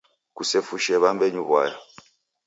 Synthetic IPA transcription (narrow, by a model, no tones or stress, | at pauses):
kusɛfuʃɛβambɛɲuβwa̰ja